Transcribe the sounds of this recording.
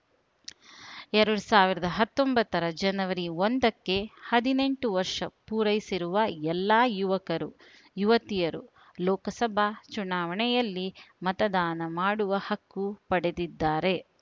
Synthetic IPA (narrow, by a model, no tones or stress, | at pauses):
ɛɾɐɽusaːʋiɾɐd̪ɐɦɐt̪ːombɐt̪ːɐɾɐd͡ʒɐnɐʋɐɾiond̪ɐkːe̞hɐd̪ine̞ɳʈuʋɐɾʂɐpuːɾɐjsiɾuʋɐɛlːaːjuʋɐkɐɾu | juʋɐt̪ijɐɾṵ | lɔːkɐsɐbʱaːt͡ʃunaːʋɐɳɛjɐlːimɐt̪ɐd̪aːnɐmaːɽuʋɐhɐkːupɐɽe̞d̪id̪ːaːɾe̞